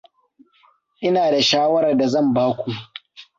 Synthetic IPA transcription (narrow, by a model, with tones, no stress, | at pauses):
ʔɪ˦naː˨da˨ʃaː˦wɐ˦ɾɐ˨rda˨zɐ˦˨mbaː˦kʷu˨